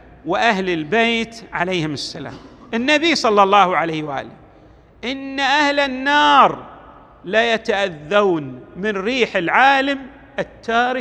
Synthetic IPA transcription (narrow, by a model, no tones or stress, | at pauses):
wɪʔahlɪlbeːt̪ʕalejːhɪmʊsːala̰ːmʔɪnːabisˤɑlːɑlˤːɑːhʕalajwʔa̰ːlɪ | ʔɪnːaʔahlɪnːɑːɾˤ | lajat̪aʔaðːaːnmɪnɾiːħɪlʕaːlam | ʔɪt̪ːaːɾɪ